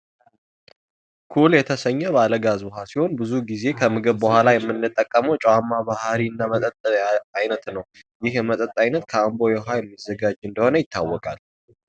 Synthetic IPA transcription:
kʰuljɛt̪ʰəsəɲːɛβaləɡazbəɦasiho̞nbɨzuɡize̞kʰəmɨɡɨβbəhʷalajɛmːɨnːɨt̪ʼːəkʼːəməwt͡ʃʼwamːabahɾiɨnːamət̪ʼət̪ʼːəajnət̪nəw | jɪhjɛmət̪ʼət̪ʼːajnət̪kʰəambo̞jɛɦajɛmːizːəɡad͡ʒɨnd̪əho̞nəjɪt̪ʰːawːɔkʼal

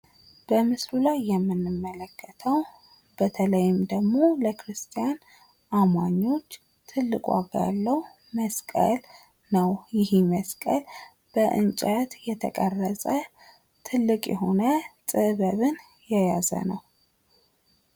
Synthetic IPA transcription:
b̥əmɨslulajːɛmːɨnːɨmːələkʰːət̪ʰəw | b̥ət̪ʰələjɪmd̪əɡmo̞ləkʰɾɨst̪ʰijan | ʔamaɲːo̞t͡ʃː | t̪ʰɨlːɨkʼwa̰ɡa̰lːəw | məskʼə̰l | nəwjɪhiməskʼəl | b̥əʔɨ̰nt͡ʃʼət̪jɛt̪ʰəkʼərːəsʼə | t̪ʰɨlːɨkʼjɛ̰ɦo̞nət̪ʼɨβəβɨn | jɛjazə̰nəw

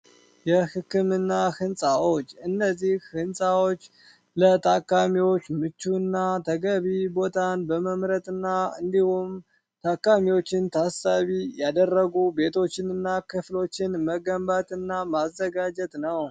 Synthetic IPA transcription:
jɛhɨkːɨmɨnːahɨnsʼawot͡ʃːɨnːəzːihhɨnsʼawot͡ʃː | lət̪ʰʼakːamiwo̞t͡ʃːmɨt͡ʃːuɨnːat̪ʰəɡəβibo̞t̪ʰanbəməmɾət̪ʼɨnːaɨ̰nd̪ihum | t̪ʰakːamiwo̞t͡ʃːɪnt̪ʰasaβijad̪ərːəɡube̞t̪ʰo̞t͡ʃːɪnɨnːakʰɨflo̞t͡ʃːɪnməɡəmbat̪ʼɨnːamazːəɡad͡ʒɛt̪ʼnəw

